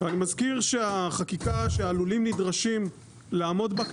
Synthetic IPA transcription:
veanimazkiʁʃeaχakikaʃeaːlulimnidʁaʃim | laːmo̞dbak

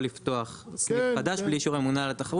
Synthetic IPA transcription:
lift̪o̞aχsliad̪aʃbliʃuʁe̞munalet̪aχaʁ

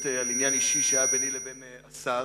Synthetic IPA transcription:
tealinjaniʃiʃeajabenilebeneasa

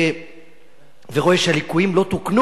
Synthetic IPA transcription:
veʁo̞eʃehalikujimlo̞t̪uknu

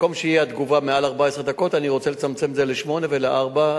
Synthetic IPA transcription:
komʃejiad̪ɡuvamealaʁbaesʁed̪ako̞t̪aniʁot͡selet͡samt͡se̞mzeleʃmo̞ne̞ve̞leʔaʁba

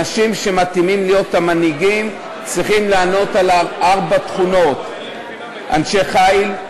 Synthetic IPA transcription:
aʃimʃe̞mat̪imimlijo̞tamaniɡim | t͡sʁiχimlaːno̞talaʔaʁbat̪χuno̞t̪ | ʔa̰nʃe̞χail

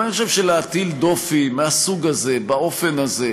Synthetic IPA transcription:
niχoʃevʃeleat̪ild̪o̞fimeasuɡaze̞bao̞fe̞naze

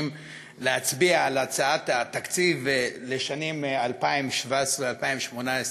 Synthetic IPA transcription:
m | leat͡sbiaːlat͡saat̪at̪akt͡sivleʃanimalpaimʃvaesʁealpaimʃmonaes

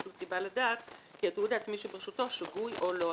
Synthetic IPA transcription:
ulsibaladaːt̪kiat̪eud̪at͡smiʃebeʁeʃut̪o̞ʃaɡujolo

